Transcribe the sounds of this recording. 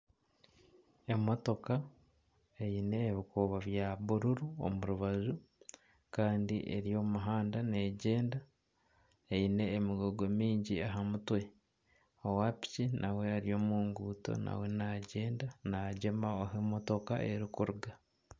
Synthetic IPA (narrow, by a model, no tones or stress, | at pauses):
e̞mo̞to̞ka | e̞ine̞ːβikuβaβjaβuɾuɾuo̰muɾuβazu | kaːndḭʔḛɾijo̞ːmuɦaːndane̞ːɟe̞ːnda | eine̞ːmiɡoɡomiːɲɟiaɦamutwe̞ | owapi̥cinʔawe̞aɾio̞ːmuːŋɡuːto̰na̰we̞naɟe̞ːndanaɟe̞maoɦemo̞to̞ka̰ʔeɾikuɾuɡa